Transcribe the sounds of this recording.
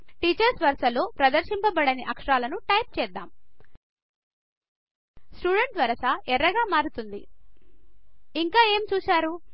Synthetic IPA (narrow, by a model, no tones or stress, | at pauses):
ʈiːt͡ʃɐɾsʋɐɾsɐlo̞ːpɾɐd̪ɐɾʃimpɐbɐɽɐniʔɐkʂɐɾaːlɐnuʈɐjp̚t͡ʃɛːd̪ːaːm | sʈuːɖeɳʈʋɐɾɐsaʔɛɾːɐɡaːmaːɾut̪und̪ḭ | iŋkaːe̞ːmt͡ʃuːʃaːɾu